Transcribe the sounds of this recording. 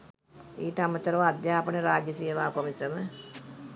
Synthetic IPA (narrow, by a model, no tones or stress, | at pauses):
iːʈamət̪ːəɾəʋad̪jaːpəneɾaːɡjəsijəʋaːkomisəmə